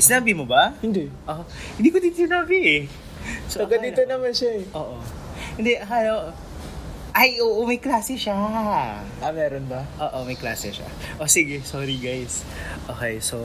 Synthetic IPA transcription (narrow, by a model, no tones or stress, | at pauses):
sɪnaːbɪmobɐhɪnd̪ɛʔohɪnd̪iːkod̪iːt̪osɪnaːbɪʔɛ | sooɡɐd̪iːt̪onɐmanʃaɛʔoːʔo | hɪnd̪ɛʔɐɦajoʔo | ʔɐjʔoːʔomɐjklaːsɛʃa | ʔɐmɛːɾonbɐʔoːʔomɐjkla̰ːsɛʃa̰ʔosiɡɛsoːɾiɡajs | ʔoːkejso